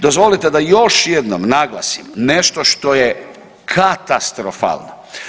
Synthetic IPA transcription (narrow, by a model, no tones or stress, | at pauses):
d̪ozʋo̞lit̪ed̪ajo̞ʃjed̪nomnaɡlˠa̰simne̞ʃt̪oʃt̪o̞je | kʰat̪ast̪ɾofa̰ːlˠno̰